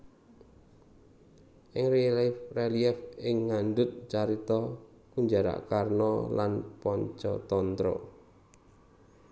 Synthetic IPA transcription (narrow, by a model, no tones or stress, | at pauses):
ʔɪŋrreliɛfɪŋːandʊt̪̚t͡ʃaɾit̪ɔ | kuɲd͡ʒaɾa̰ʔkarnɔla̰npɔɲt͡ʃɔ̰t̪ɔnt̪ɾɔ̰